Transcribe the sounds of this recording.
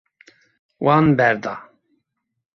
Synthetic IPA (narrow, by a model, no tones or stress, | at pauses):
wɑnbɛɾd̪ɑ